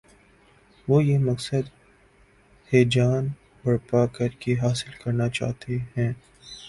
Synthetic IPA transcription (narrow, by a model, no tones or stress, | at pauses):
ʋoːjemɐksəd̪ | heːd͡ʒaːn | bɐɽpaːkɐɾkeɦaːsɪlkɐɾnat͡ʃa̰ːɦt̪ʰeɦɛ̃ː